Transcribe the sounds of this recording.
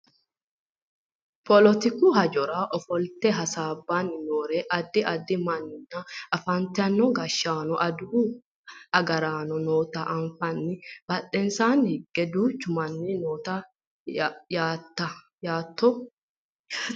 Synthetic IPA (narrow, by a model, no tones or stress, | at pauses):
pɔlɔt̪ɪkuɦɐd͡ʒɔɾaʔɔfɔlt̪ɛɦɐsaːbːanːɪnoːɾɛʔɐd̪ːɪʔɐd̪ːɪmɐnnːɐɐfɐnt̪ɛɐnːɔɡɐʃːaːnɔʔɐd̪ʊhu | ɐɡɐɾaːnɔnoːt̪ɐʔɐnfɐnːɪb̥ɐtːɛnsaːnhɪɡɛd̪uːt͡ʃːʊmɐnːɪnoːt̪ɐ | jaːt̪ːɐ | jaːt̪ːɔ